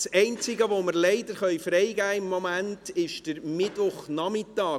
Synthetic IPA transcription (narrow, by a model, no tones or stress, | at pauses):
sɛɪnt͡sɪɡəʋoməɾlɛɪdəɾχœʏfɾɛjɡæːɪmːɔmæntɪʃd̥əɾmɪtʋʊχnɑmɪtɑː